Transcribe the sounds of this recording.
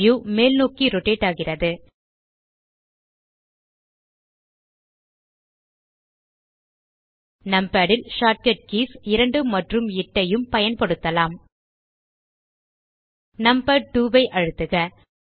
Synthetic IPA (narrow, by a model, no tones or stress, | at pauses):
jumeːlnoːkiɾɔʈːeːʈːaːɣɪrɐðɯ | nɐmbaːɽɪlʂaːʈ̚kɐʈ̚kiːsɪɾɐɳɖɯmɐʈrɯmɪʈːɐjɯmpɐjɐnpɐɽɯt̪ːɐlaːm | nɐmbaʈuːbɐɪʔɐɻɯt̪ːɯɣɐ